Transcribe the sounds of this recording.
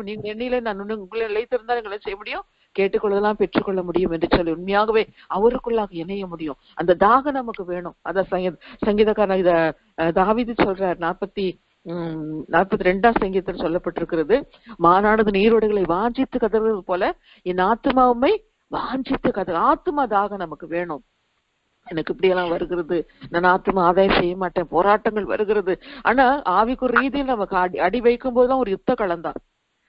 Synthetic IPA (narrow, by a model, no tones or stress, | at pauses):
niːŋɡɐɭɛnːɐjɪlenãːnʊnːɯʊŋɡɪlːɐnɪlɐɪt̪ːɯɾɯnd̪aːniːŋɡɐɪlːsɛjɐmʊɽɪjʊ̃ | keːʈːɯkːɔɭːɐðɐlːãːpɛʈrɯkːɔɭːɐmʊɽɪjɯmɛndrɯsɔlːiʊnmɐjaːɣɐʋeː | ɐʋɐɾɯkːɯɭːaːɣɐɛnɐjɐmʊɽɪjʊ̃ | ɐnd̪ɐd̪aːɣɐnɐmɐkːɯʋeːɳʊ̃ɐðaːsɐŋɡiðsɐŋɡiːðɐkːaːɾnɐɪðɐ | d̪aːʋiːðɯsɔlɾaːɾnaːɾ̚pɐt̪ːi | naːt̚pɐt̪ːiɾɛɳɖãːsɐŋɡiːðɐt̪ːɪlɐsɔlːɐpːɐʈːɪɾɯkːɪɾɐðɯ | maːnaːɽɐðɯniːɾɔɽɐɣɐɭɐɪʋaːɲd͡ʒɪt̪ːɯkɐðɐɾɣɯɾɐðɯpoːlɐ | ɛnːɐaːt̪ːɯmaːʋɯmɐɪ | ʋaːɲd͡ʒɪt̪ːɯkɐðɐaːt̪ɯmaːðaːɣɐnɐmɐkːɯʋeːɳʊ̃ | ɛnɐkːɯɪpːɐɽɪjɛlːãːʋɐɾɯɣɪɾɐðɯnɐnːaːt̪ːɯmaːðaːjɐsɛjːɐmaːʈːẽːpoːɾaːʈːɐŋɡɐɭʋɐ̰ɾɯɣɪɾɐðɯa̰ːnaːaːʋikːʊɾɾiːðɪjɪlnɐmɐkːɯɐɐɽiʋɐɪkːɯmpoːðɯðãːɔɾɯjʊt̪ːɐkɐɭɐnd̪ã̰ː